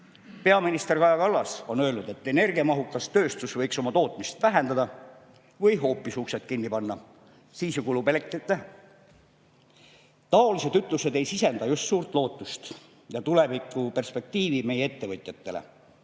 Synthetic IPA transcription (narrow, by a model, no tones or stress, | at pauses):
pe̞ɑminist̪e̞rkɑjɑkɑlːɑso̞nø̞ːlnud̪e̞t̪ːe̞ne̞rɡiɑmɑɦukːˑɑst̪ø̞ːst̪usvɤjkso̞mɑt̪o̞ːt̪ˑmist̪væɦe̞nd̪ɑd̪ɑ | vɯjɦo̞ːpːˑisukset̪̚ˑkinːipɑnːɑ | siːsjukulubelek̚t̪it̪ːe | t̪ɑo̞lis̬e̞d̪yt̪ˑluse̞d̪e̞jsise̞nd̪̥ɑjust̪suːrt̪ˑlo̞ːt̪ːˑust̪ | jɑt̪ule̞vikːˑupe̞rspe̞k̚t̪iːvime̞jee̞t̪ːe̞vɤt̪ʲˑjɑt̪ːe̞lḛ